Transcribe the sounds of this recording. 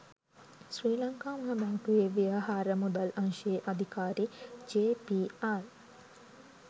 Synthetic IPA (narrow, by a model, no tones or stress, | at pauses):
sɾiːlɐŋkaːmɦɐmɐːkujeʋijaɦaːɾəmud̪ɐlɐŋʃieʔɐd̪ʱikaːɾid͡ʒeːpiːaɾ